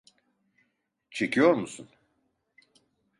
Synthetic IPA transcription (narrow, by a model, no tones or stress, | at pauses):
t͡ʃʰe̞cʰijo̞ɾmusun